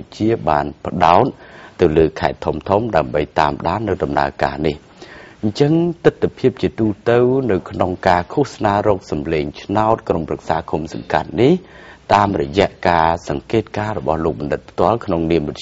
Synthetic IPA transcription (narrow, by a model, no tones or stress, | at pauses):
c̚t͡ɕiəɓaːnpə̆ɗaɔt̪̚ːɨwləːkʰaɛt̪ʰːumt̪ʰumɗaəmɓəjt̪a̰ːmɗaːnːɨwɗɑmna̰əka̰ːnih | ɲt͡ɕəŋt̪ɨt̪ːapʰiəp̚t͡ɕiət̪uːt̪ɨwnɨwkʰnoŋkaːkʰuəhsnaːɾɔːk̚sɑmleːŋt͡ɕʰnaɔt̪̚kromprak̚saːkʰumsɑ̰ŋka̰t̪̚niht̪aːmrɔjɛ̆əʔkaːsɑŋkeːt̪̚kaːɾɔɓɑ̰hloːk̚ɓɑnɗɨt̪̚pʰt̪ŏəlkʰnoŋniəmrʊ